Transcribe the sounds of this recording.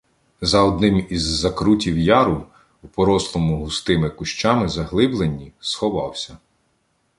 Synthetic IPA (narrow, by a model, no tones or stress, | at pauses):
zɐɔd̪nɪmizːɐkɾutʲiwjɑɾʊ | upɔɾɔslˠɔmʊɦʊst̪ɪmɪkʊʃt͡ʃɑmɪzɐɦlˠɪblˠenʲːisxɔʋɑwsʲɐ